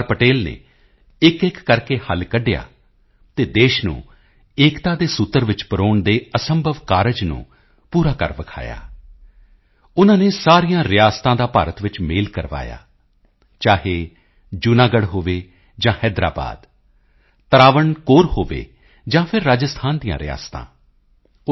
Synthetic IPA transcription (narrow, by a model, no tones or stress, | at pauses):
ɾpəʈeːlnḛː | ɪkɪkːəɾkeːhəlkəɖja̰ː | t̪eːd̪eːʃnṵ̃ː | eːkt̪aːd̪eːsʊt̪ːəɾʋɪt͡ʃpəɾoːɳd̪eːəsəmbʱəʋkaːɾəd͡ʒnṵ̃ː | puːɾaːkə̰ɾʋəkʰa̰ːja̰ː | ʊnãːneːsaːɾijãːɾɪjaːst̪ãːd̪aːpaːɾət̪ʋɪt͡ʃmeːlkəɾʋa̰ːja̰ː | t͡ʃaːɦeː | d͡ʒʊnaːɡəɽɦoːʋeː | d͡ʒãːhɛːd̪ɾa̰ːba̰ːd̪ | t̪əɾaːʋəɳkoːɾhoːʋḛː | d͡ʒãːpʰɪɾːaːd͡ʒəst̪ʰaːnd̪ijã̰ːɾɪ̰ja̰ːst̪ã̰ː